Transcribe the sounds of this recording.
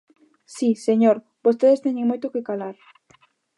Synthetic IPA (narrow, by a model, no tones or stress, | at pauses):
siseɲoɾ | b̥ost̪eðest̪eɲẽŋmojt̪okekalaɾ